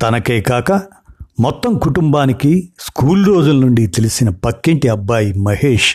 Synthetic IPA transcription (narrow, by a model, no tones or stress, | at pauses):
t̪ɐnɐkeːkaːkɐ | mɔt̪ːɐmkuʈumbaːnikiskuːlɾo̞ːd͡ʒulɐnuɳɖit̪e̞lisinɐpɐkːeɳʈiɐbːaːjimɐheːʂ